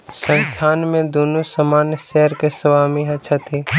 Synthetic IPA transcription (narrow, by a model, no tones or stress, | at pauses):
sə̃nt͡ʃʰaːnmẽd̪oːnosəmaːnjəʃɛɦəɾkesəʋaːmiɦɐt͡ʃʰat̪ʰeː